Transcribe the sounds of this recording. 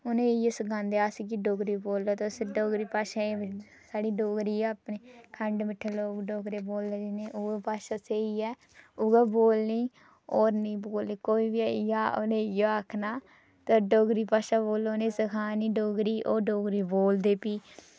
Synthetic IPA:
ʊnẽːjesəɡãːnd̪eːaːsikiɖoːɡɾiːboːlːoːt̪osɖoːɡɾiːpaːʃaːe | saːɽiːɖoːɡɾiːapneːkʰəɳɖmɪʈʰːeːloːɡɖoːɡɾeːboːlːeːd͡ʒineːʔʊɡpaːʃaːseiːɛː | ʊɡaːboːlniː | oːɾnĩːboːlːiːkoːiːbiɛjaːonejoaːkʰnaː | t̪aɖoːɡɾiːpaːʃaːboːlːonẽːsəkʰaːniːɖoːɡɾiːʔoːɖoːɡɾiːboːld̪eːpiː

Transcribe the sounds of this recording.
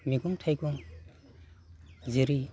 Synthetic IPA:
miɡuŋtʰajɡuŋ | ziɾi

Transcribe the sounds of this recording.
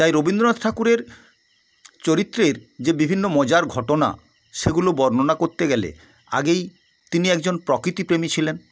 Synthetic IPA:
t̪ajɾobind̪ɾonad̪ʈʰakuɾeɾ | t͡ɕoɾit̪ːɾeɾd͡ʑebibʱinːomɔd͡ʑaɾɡʱɔʈona̰ | ʃeɡulobɔɾnonakoɾt̪eɡɛlḛ | a̰ɡej | t̪iniɛkd͡ʑonpɾɔkɾit̪ipɾemit͡ɕʰilen

